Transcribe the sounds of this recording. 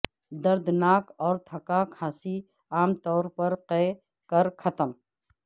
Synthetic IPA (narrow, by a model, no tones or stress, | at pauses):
d̪ɐɾd̪ʱnaːkɔːɾt̪ʰɐkakʰaːsi | aːmt̪ɔːɾpɐɾqɛː | kəɾkʰɐt̪əm